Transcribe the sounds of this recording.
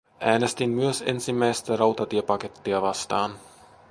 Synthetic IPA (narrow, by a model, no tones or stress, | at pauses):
ʔæːnest̪imːyøsḛnsimːæjst̪ærɑwt̪ɑt̪iepɑke̞t̪ːiɑʋɑst̪ɑːn